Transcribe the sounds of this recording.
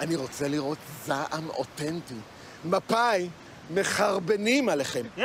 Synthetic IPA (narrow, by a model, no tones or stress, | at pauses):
ʔaniʁo̞t͡seliʁo̞t̪zaʔamo̞̰tenti | mapaj | me̞χaʁbenimaleχe̞m